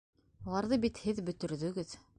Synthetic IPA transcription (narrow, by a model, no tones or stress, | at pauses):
ulˠɑɾðɤbit̪hɘðbɵ̆t̪ɵ̆ɾðɵ̆ɡɘð